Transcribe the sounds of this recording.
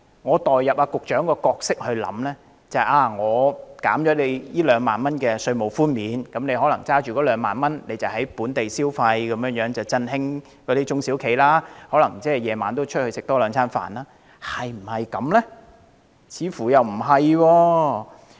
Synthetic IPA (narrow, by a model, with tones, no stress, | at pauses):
ŋɔː˨˧t̪ɔː˨jːɐ˨p̚aː˧kʊ˨k̚t͡ʃœː˨˥ŋkɔː˧kɔː˧k̚sɪ˥k̚hɵ˧ɥlɐ̰˨˥mlɛː˥ | t͡sɐ˨hɐ˨ʔaː˧ŋɔː˨˧kaː˨˥mt͡ʃjɔ˨˧˥ne˨˧jjiː˥lœː˨˧ŋmaː˨nmɐ˥nkɛː˧sɵ˧ɥmo˨˩wfuː˥nmiː˨˥nkɐ˨˥mne˧ɦɔː˨˥lɐ˨˩ŋt͡saː˥t͡ʃyː˨kɔ˨˧˥lœː˨˧ŋma̰ː˨nmɐ˥nle˨˧jt͡sɐ˨˩whɐ˨˥jpuː˨˥nt̪e˨jsiː˥wfɐ˧jkɐ˨˦mjœː˨˧ŋjœː˨˥ŋt͡sɐ˨˩wt͡sɐ˧nɪ˥ŋ | kɔ˨˧˥d̪iː˦˥t͡ʃʊ˥ŋsi˨˥wkʰe˨˩jlaː˥hɔ˨˥lɐ˨˩ŋt͡sɛː˥˩jɛː˨˧maː˨nt̪o˥wt͡ʃʰɵ˥t̚hɵ˧sɪ˨k̚t̪ɔː˥lœː˨˧ŋt͡sʰaː˥nfa̰ː˨˩nlaː˥ | hɐ˨jm̩˨˩hɐ˨jkɐ˨˧mlɛ˥ | t͡sʰiː˨˧fuː˨˩jɐ˨wm̩˨˩ɦɐ˨jwɔː˧